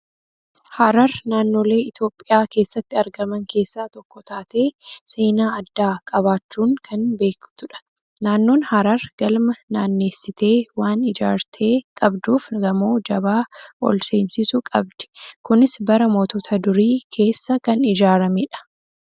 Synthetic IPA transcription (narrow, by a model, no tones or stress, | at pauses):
haɾɐɾnaːnːo̞ːle̞ːɪt̪jo̞ːpʼːɪjaːke̞ːsːɐt̪ːɪɐɾɡɐmɐŋke̞ːsːaːt̪ɔkːɔt̪aːt̪e̞ːse̞ːnaːɐd̪ːaːkʼɐβaːt͡ʃːuːŋkʰɐnbe̞ːkt̪ʊᶑɐ̥ | naːnːo̞ːnhɐɾɐɾɡ̥ɐlmɐnaːnːe̞ːsɪt̪e̞ːwaːnɪd͡ʒa̰ːɾt̪ʰeːkʼɐbd̪uːfɡɐmo̞ːd͡ʒɐβaːʔɔ̰lse̞ːnsɪsʊkʼɐbd̪̥ɛ̥kʊnɪsbɐɾɐmoːt̪ot̪ʰɐd̪ʊɾiːkʰe̞ːsːɐkɐnɪd͡ʒaːɾɐmeᶑɐ̥